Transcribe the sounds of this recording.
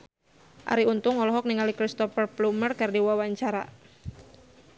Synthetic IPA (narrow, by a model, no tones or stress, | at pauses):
ʔa̰ɾiunt̪ʊŋɔlɔɦɔk̚niŋalikɾist̪ɔfərplumərkardiwawaɲt͡ʃaɾa̰